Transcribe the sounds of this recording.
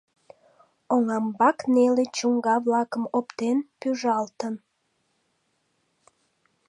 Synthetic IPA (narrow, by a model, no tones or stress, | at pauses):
oŋɑmbɑknelet͡ɕuŋɡɑβlɑkəmopt̪enpyʒɑlt̪ən